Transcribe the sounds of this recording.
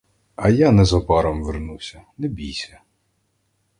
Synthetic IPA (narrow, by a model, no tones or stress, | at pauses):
ɐjanɛzɔpɑɾɔmʋernuwsʲɐnɛbʲijsʲɐ